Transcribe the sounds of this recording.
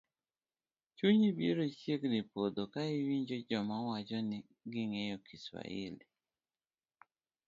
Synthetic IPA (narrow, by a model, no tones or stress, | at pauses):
t͡ʃuɲibeɾot͡ʃjeɡnipod̪okaɪwiɲd͡ʒod͡ʒɔmawad͡ʒɔnɪ | ɡɪŋejɔkʰiswa̰ḭli